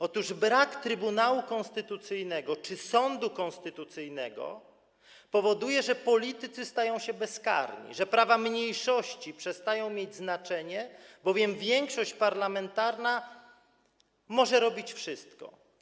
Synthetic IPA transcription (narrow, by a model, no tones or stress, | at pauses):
ɔt̪uʐbɾakt̪ɾɘbunawukɔ̃nst̪ɘt̪ut̪sɘjnɛɡɔt͡ʂɘsɔnd̪ukɔ̃nst̪ɘt̪ut̪sɘjnɛɡɔ̰ | pɔvɔd̪ujɛʐɛpɔlʲit̪ɘt̪sɘst̪ajɔ̃w̃ɕɛbɛska̰ɾɲḭʐɛpɾavamɲejʂɔɕt͡ɕipʂɛst̪ajɔ̃w̃mʲjed͡ʑznat͡ʂɛɲɛbɔvʲjɛmvʲjɛŋkʂɔɕt͡ɕpaɾlamɛnt̪aɾna | mɔʐɛɾɔbʲit͡ɕfʂɘst̪kɔ̰